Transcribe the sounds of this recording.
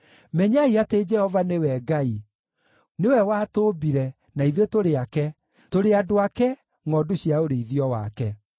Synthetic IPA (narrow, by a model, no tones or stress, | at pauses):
mɛɲaiated͡ʒɛhɔvanewɛɡai | newɛwaːtoːbiɾɛ | naiðetoɾeakɛ | toɾeadoakɛ | ŋɔdoɕjaoɾeiðiɔwa̰kɛ